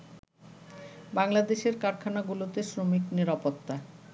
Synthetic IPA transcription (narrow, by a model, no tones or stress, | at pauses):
baŋlad̪eʃeɾkaɾkʰanaɡulot̪esɾomikniɾapot̪ːa